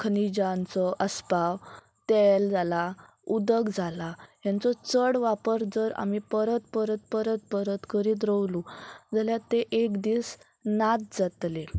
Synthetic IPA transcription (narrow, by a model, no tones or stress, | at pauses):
kʰənid͡ʑant͡sɔʔəspaw | t̪ɛld͡zala | ud̪əɡd͡zʱalaɦjant͡sɔt͡səɽʋapəɾd͡zəɾa̰m̤ipəɾət̪̚pəɾət̪̚pəɾət̪̚pəɾət̪kəɾiːt̪̬ɾəwlud͡zaljat̪eʔekd̪iːs | nat̪̚d͡zat̪le